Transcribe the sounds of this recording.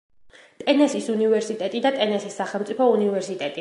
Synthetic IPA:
t̪ʼɛnɛsisunivɛɾsit̪ʼɛt̪ʼid̪at̪ʼɛnɛsisːaχɛlˠmt̪sʼipʰɔunivɛɾsit̪ʼɛt̪ʼi

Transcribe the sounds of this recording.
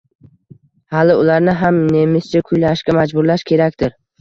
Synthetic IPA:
halɪʊlaɾnɪɦamne̞mɪst͡ʃʰakʰʊjlaʃkʲamad͡ʒbʊɾlaʃkʲʰe̞ɾakʲt̪ɪɾ

